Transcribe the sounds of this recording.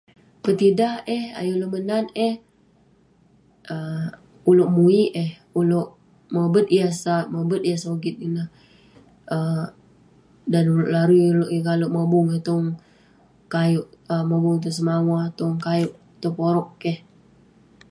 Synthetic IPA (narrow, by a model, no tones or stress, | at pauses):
pət̪idaheha̰jolomənaneh | ʔə | uloʔmuiʔeh | uloʔ | məbət̪̚iasaməbət̪̚iasaoɡɪt̪̚inə | ə | danuloʔlaɾuuloʔekaloʔməbʊŋet̪ɔŋ | kajoʔəməbʊŋt̪̬os̬əmawat̪oŋkajoʔ | t̪opoɾɔʔkɛh